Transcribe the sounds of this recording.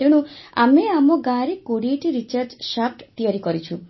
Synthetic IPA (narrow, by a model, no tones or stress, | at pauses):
eɽ̃ua̰meamɔɡãɾekoɽieʈiɾit͡ʃaɾd͡ʒʃap̚ʈt̪ijaɾikɔɾit͡ʃʰu